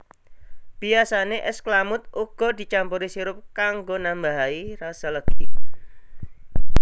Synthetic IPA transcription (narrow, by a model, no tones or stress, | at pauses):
b̥iasaneʔɛsklamʊt̪̚uɡ̥ɔ̤d̪̥i̤t͡ʃampuɾisiɾʊp̚kaŋɡonambaɦairasaləɡ̥i